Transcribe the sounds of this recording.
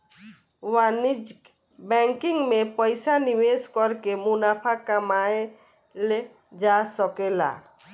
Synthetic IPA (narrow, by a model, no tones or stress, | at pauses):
wanid͡ʒ | bɛ̃ŋkiŋɡmẽpəjsaniʋeskɔɾkemunapʰakamae | le | d͡ʒasɔkela̰